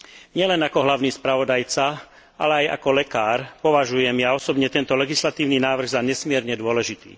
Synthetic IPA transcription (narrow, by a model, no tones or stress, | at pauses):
ɲɪɛlɛnakɔɦlaʊniːspɾaʋɔd̪ajt͡sa | a̰lɛaja̰kɔlɛkaːɾpɔʋaʒujɛmjaɔsɔbɲɛt̪ɛnt̪ɔlɛɡislat̪iːʊniːnaːʋr̩ɣzaɲɛsmɪɛɾɲɛd̪ʊɔlɛʒit̪ḭː